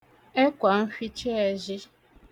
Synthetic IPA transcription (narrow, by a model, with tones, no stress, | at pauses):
e˦kʷa˨n̩˦fi˦t͡ʃe˦e˨ʒɪ˦